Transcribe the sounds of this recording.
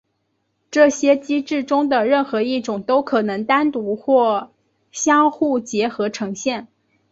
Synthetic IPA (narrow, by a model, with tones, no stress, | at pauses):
ʈ͡ʂɤ˥˩ɕjɛ˥t͡ɕi˥ʈ͡ʂɻ̩˥˩ʈ͡ʂʊ˥ŋd̪ə˨ɻə˥˩nxɤ˧˥i˥˩ʈ͡ʂʊ˨˩ŋt̪o˥ʊkʰɤ˨˩nɤ˧˥ŋt̪a˥nt̪u˧˥xwɔ˥˩ | ɕjɑ˥ŋxu˥˩t͡ɕjɛ˧˥xɤ˧˥ʈ͡ʂʰɤ˧˥ŋɕjɛ˥˩n